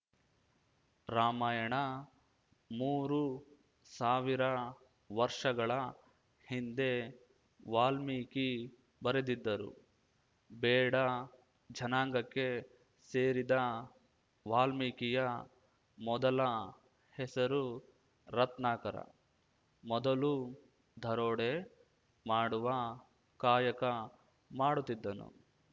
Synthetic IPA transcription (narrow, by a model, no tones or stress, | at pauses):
ɾaːmaːjɐɳɐ | muːɾu | saːʋiɾɐ | ʋɐɾʂɐɡɐɭɐ | hind̪e̞ | ʋaːlmiːki | bɐɾed̪id̪ːɐɾṵ | bɛːɽɐ | d͡ʒɐnaːŋɡɐkːe̞ | seːɾid̪ɐ | ʋaːlmikijɐ | mɔd̪ɐlɐ | hɛsɐɾu | ɾɐt̪naːkɐɾɐ̰ | mɔd̪ɐlu | d̪ʱɐɾoːɽe | maːɽuʋɐ | kaːjɐkɐ | maːɽut̪ːid̪ːɐnṵ